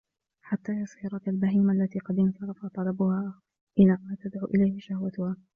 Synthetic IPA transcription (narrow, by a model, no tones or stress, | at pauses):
ħat̪ːaːjɑshɪɾˤɑalbaɦiːmaʔalːat̪iːqɑd̪ɪnsɑɾˤɑfat̪ˤɑlɑbʊhaː | ʔɪnamaːt̪ad̪ʕṵːʔɪlajhɪʃahwat̪ʊhaː